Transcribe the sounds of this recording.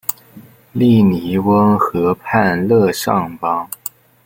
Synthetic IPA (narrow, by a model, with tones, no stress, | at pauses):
li˥˩ni˧˥wə˥ŋxɤ˧˥pʰa˥˧nlɤ˥˧ʂɑ̰˥˩ŋpɑ˥ŋ